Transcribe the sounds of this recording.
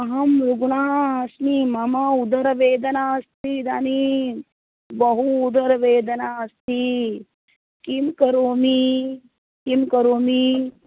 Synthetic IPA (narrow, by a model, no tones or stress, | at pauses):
ɐɦɐmɾuɡɳaːsnimɐmɐud̪ɐɾɐʋeːd̪ɐnaːst̪id̪ani | bɐɦuːd̪ɐɾɐʋeːd̪ɐnaːst̪i | kimkɐɾoːmi | kimkɐɾoːmi